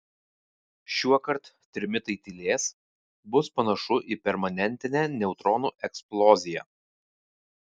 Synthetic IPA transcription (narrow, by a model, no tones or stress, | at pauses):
ʃʲuɔkɐɾt̪ | t̪ʲɾʲɪmʲɪt̪ɐɪt̪ʲilʲeːs | bʊspɐnɐʃʊʔiːpʲɛɾmɐnʲɛnʲt̪ʲɪnʲɛːnʲɛʊt̪ɾɔːnuːʔɛksplˠɔːzʲɪjɛ̰